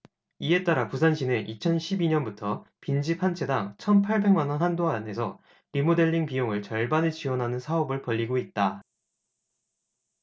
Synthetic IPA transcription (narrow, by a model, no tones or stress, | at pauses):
ie̞t͈aɾapusʰanɕʰinɯnʔit͡ɕʰʌnɕʰibiɲʌnbutʰʌpind͡ʑipʰant͡ɕʰe̞daŋt͡ɕʰʌnpʰaɭbe̞ŋmanwʌnɦandoɦaane̞sʰʌ | ɾimode̞ʎːiŋpijoŋɯɭt͡ɕʌɭbanɯt͡ɕiwʌnɦanɯnsʰaʌbɯɭpʌʎːiɡoit̚t͈a